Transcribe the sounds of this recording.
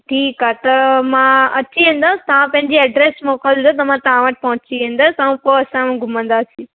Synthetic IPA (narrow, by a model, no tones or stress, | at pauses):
ʈʰiːkaːt̪ɐmãɐt͡ɕiʋẽːn̆d̪ast̪ɐʋ̤ãpɐ̃ɦɪ̃ɲd͡ʑiɐɖɾeːsmɔːkəld̪d̪ot̪ɐmãt̪ɐʋ̤ãʋəʈ̚pɐ̃ɦʊ̃t͡ɕiʋẽːnd̪aːsaũpoɐsãmũɡʱʊmə̃nd̪asĩ